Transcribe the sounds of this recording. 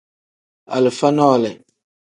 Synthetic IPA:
a̰˨lɪ˨fa˦nɔ˦˨lɛ˨

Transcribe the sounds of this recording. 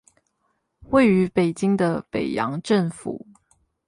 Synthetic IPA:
we˥˩ɪy˧˥pe˨˩ɪt͡ɕi˥ŋd̪ə˨pe˨˩ɪjɑ̰˧˥ŋʈ͡ʂə˥˩ŋfṵ˨˩˦

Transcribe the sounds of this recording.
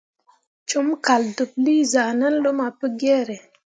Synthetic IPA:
t͡ʃu˨˦mka˨ldu˨p̚li˦za˨nə˦n˦lo˦ma˨pə˦ɡɛ˦ɾe˨

